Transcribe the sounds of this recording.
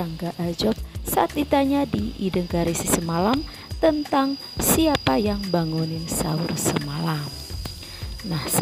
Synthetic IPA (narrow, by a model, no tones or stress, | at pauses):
aŋɡaʔad͡ʒɔp̚saat̪̚dit̪aɲadiidəŋkaɾisisəmalam | t̪ənt̪aŋ | siapajaŋbaŋunɪnsa̰ursəmalam | nahs